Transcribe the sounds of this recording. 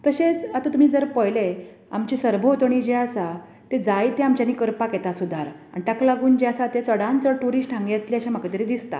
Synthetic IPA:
t̪əɕet͡sat̪at̪um̤iːd͡zəɾpəjle | a̰mt͡ɕisəɾbʱoot̪əɳ̃id͡ʑeəsa | t̪ed͡zajt̪eamt͡ɕjaniːkəɾpakjet̪asud̪ʱaɾ | a̰ɳit̪aklaɡuːnd͡ʑeasat̪et͡səɽãnt͡səʈuɾiːsʈʰãŋɡjat̪liəɕãməkat̪əɾid̪ist̪a̰

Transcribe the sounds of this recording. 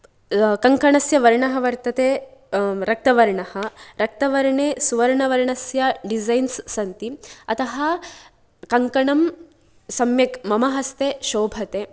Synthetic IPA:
kɐŋkɐɳɐsjɐʋɐɾɳɐɦɐʋɐɾt̪ɐt̪eː | ɾɐk̚t̪ɐʋɐɾɳɐhɐɾɐk̚t̪ɐʋɐɾɳeːsuʋɐɾɳɐʋɐɾɳɐsjɐɖizɐjnsːɐnt̪iɐt̪ɐɦɐ | kɐŋkɐɳɐm | sɐmjɐkmɐmɐɦɐst̪eʃoːbʱɐt̪e

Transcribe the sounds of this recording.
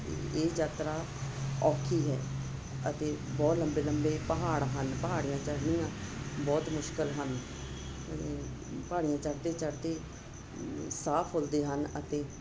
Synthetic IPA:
eːd͡ʒaːt̪ɾaː | ɔːkʰiːɦɛ̰ː | ət̪eː | bɔːt̪ləmbeːləmbeːpəɦaːɽɦənpəɦaːɽijãːt͡ʃəɽnijãːbɔːt̪mʊʃkəlɦən | ət̪eː | paːɽijãːt͡ʃəɽd̪eːt͡ʃəɽd̪eː | saːpʰɦoːld̪eːɦənət̪eː

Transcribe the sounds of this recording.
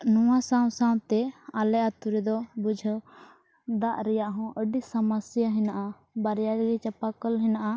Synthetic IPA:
nũwasãw̃sãw̃t̪ɛalɛʔat̪uɾɛd̪ɔbud͡ʒʱ | d̪aʔɾɛjaʔɦɔ̃ʔəɖisamasjaɦɛnaʔa | baɾjaɾɡit͡ʃapakəlɦɛnaʔa

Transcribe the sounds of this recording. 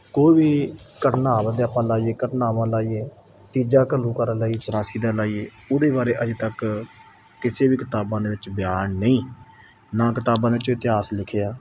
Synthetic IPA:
koːiːbiːkəʈnaːʋd̪eːapãːlaːiːeːkəʈnaːʋãːlaːiːeː | t̪iːd͡ʒaːkəlːũːkəɾəlaːieːt͡ʃəɾaːsiːd̪aːlaːiːeː | ʊd̪eːbaːɾeːʔəd͡ʒɪːt̪ək | kɪseːbiːkɪt̪aːbãːd̪eːʋɪt͡ʃbɪjaːnnəĩː | nãːkɪt̪aːbãːd̪eːɪt͡ʃːɪt̪ɪɦaːslɪkʰeːaː

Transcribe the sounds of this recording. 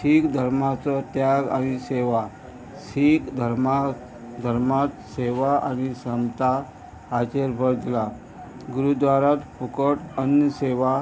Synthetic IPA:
sikd̪ʱəɾmat͡sɔt̪jaɡa̰ñiseʋa | sikd̪ʱəɾma | d̪ʱəɾmat̪seʋaa̰ñisəmt̪a | at͡ɕeɾbʱəɾd̪la | ɡuɾud̪ʋaɾat̪pukəʈənjəseʋa

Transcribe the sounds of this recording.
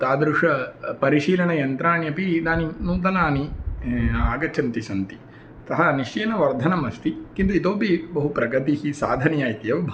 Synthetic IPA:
t̪aːd̪ɾuʂɐpɐɾiʃiːlɐɳɐjɐnt̪ɾaːɳjɐpid̪aːninuːd̪ɐlaːni | aːɡɐt͡ʃʰɐnt̪isɐnt̪i | t̪ɐɦɐniʃjeːnɐʋɐɾd̪ʱɐnɐmɐst̪ikint̪uit̪oːbibɐɦupɾɐɡɐt̪ihisaːd̪ʱɐnɐjaːjt̪jɐʋbʱ

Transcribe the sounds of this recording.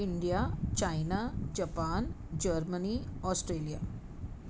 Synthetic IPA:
iɳɖijat͡ɕajnad͡ʑapaːn | d͡ʑəɾməniɔsʈɾelija

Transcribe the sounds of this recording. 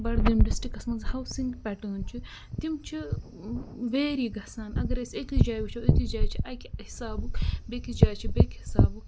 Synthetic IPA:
bɐɽd̪imɖisʈikɐsmɐnzhɐwsĩŋɡpʲɛʈɐːnt͡ʃʰi | t̪imt͡ʃʰi | ʋeːɾiɡɐsaːnɐ̰ɡɐɾesekid͡ʒaːjʋit͡ʃʰɐwekid͡ʒaːjt͡ʃʰiʔɐjkihisaːbukbekid͡ʒaːjt͡ʃʰibekhisaːbuk

